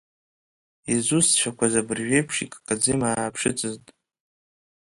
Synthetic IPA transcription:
izust͡ʃʷᶣʰakʷazabɨrʒᶣejpʰʂḭkʼkʼad͡zimaːpʰʂɨt͡sʼɨztʼ

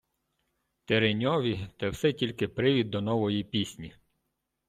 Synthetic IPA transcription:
t̪eɾenʲɔʋʲit̪ɛwsɛtʲilʲkɪpɾɪʋʲid̪̚ːɔnɔʋɔjipʲisʲnʲi

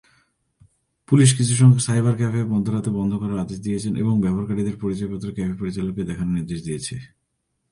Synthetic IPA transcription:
puliʃ̬kit͡ɕʰuʃ̬ɔŋɡesajbaɾkɛpebɔnd̪ʱoɾat̪ebɔnd̪ʱokɔɾaɾad̪eʃd̪ijet͡ɕʰenʔḛboŋbɛbaɾkaʈid̪eɾpoɾit͡ɕɔepɔt̪ːɾokɛpepoɾit͡ɕaloked̪ɛkʰanniɾd̪eʃd̪ijet͡ɕʰe

